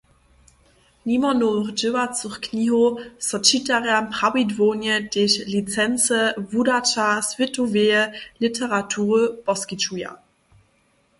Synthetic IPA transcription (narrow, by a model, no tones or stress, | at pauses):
nimɐnoʁd͡ʒøwat͡suχkʰniːɦosɐt͡ʃitaʁɛːɐmpʁ̥awidvoːnjəd̥eːɕlit͡sɛnt͡səvudatasvɪtʰoveːəlitʰəʁatʰuːʁəb̥ɔskit͡ʃuja̰